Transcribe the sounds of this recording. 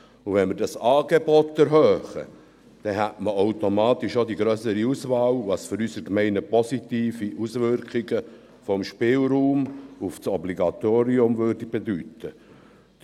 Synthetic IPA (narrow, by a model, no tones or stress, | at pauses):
uʋɛnmɪɾdɑsɑːɡebɔt̪ːɛɾɦøːχə̰ | d̥ɛɦætməoʊtomɑːt̪iʃod̪iɡɾœːsəɾiusʋɑːlʋɑsføɾysəɾkmɛɪnəpɔsit̪iːfiʔusʋʏɾkχɪɡə | fɔmʃpɪːlɾuːmufsɔbliɡɑt̪oːɾiʊmvøːɾdib̥ed̪ytə